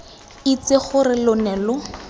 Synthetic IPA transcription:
it͡seχʊrɪlʊnɛːlʊ

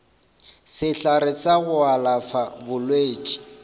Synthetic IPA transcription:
sɪɬaɾɪt͡saɣʊalafabʊlweːt͡ʃʼi̥

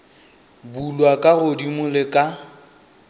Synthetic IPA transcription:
bulwakʼaɣʊdimʊlekʼa

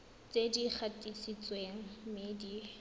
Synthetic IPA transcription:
t͡sedik͡xʰatʼisit͡sʼweŋ̩mɪdi

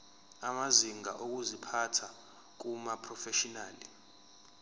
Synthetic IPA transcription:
amaziŋa̰ʔok̬uzipʰatʰa | k̬umapʰʼrɔfɛʃɔnaːli

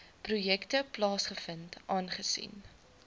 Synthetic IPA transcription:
prujɛktəplɑːsχəfəntʔɑːnχəsḭn

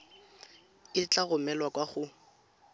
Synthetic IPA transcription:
ɪt͡ɬʼaɣʊmɛlwakʼwaχʊ

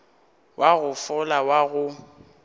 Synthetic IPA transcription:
wʔaɣʊfʊlawaɣʊ

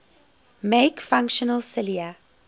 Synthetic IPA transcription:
meɪkfãŋkʃɔnəlˠsɪliə

